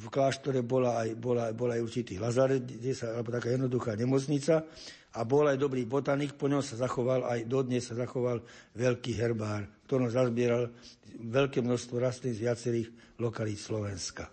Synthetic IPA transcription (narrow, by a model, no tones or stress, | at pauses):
fklaːʃt̪ɔɾɛbɔlaːjbɔlabɔlajuɾt͡ʃit̪iːlazaɾɛd̪ɛsaalɛbɔt̪akaːjɛd̪nɔd̪uxaːɲɛmɔt͡sɲit͡sa | abɔlajd̪ɔbɾiːbɔt̪anikpɔɲɔmsazaxɔʋalajd̪ɔd̪ɲɛsːazaxɔʋalʋɛʎkiːɦɛɾbaːɾkt̪ɔɾɔmzazbɪɛɾalʋɛʎkɛːmnɔʃst̪ʋɔɾast̪niːɣzʋɪat͡sɛɾiːɣ | lɔkalit̪slɔʋɛnska